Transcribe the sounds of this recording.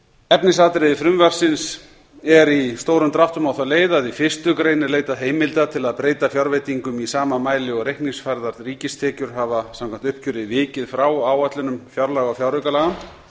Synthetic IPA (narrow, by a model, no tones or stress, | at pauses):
ɛpnɪsaːt̪ɾɪðɪfɾʏmvar̥sɪns | ɛɾist̪oːwɾʏmt̪ɾaht̪ʏmawθawleːjðaðifɪst̪ʏkɾeːjnɪɾleːjt̪aðɦeːjmɪlt̪at̪ʰɪlaðpɾeːjt̪afjawɾvejt̪iŋkʏmisaːmamaːjlɪɔɣɾejhkniŋsfaɾðaɾðriːcɪst̪ʰɛːcʏɾ̥ɦavasãmkʰam̥t̪ʏhpcʏɾɪvɪːcɪðfɾawaːwat̪lʏnʏmfjawɾlaɣɔfjawɾʏkalaːɣam